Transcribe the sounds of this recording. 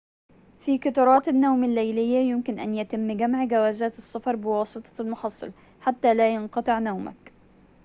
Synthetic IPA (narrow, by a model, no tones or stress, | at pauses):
fiːkɑt̪ɑɾˤɑːt̪anːawmalːajlɪjːajʊmkɪnʔanjat̪ɪmːɡamʕɡawaːzaːt̪ɪsːɑfɑɾˤbɪwɑːsˤɨt̪ˤɑ̥lmʊħɑsˤːɨ̰l | ħat̪ːaːlaːjɑnqɑt̪ˤɨʕnawma̰k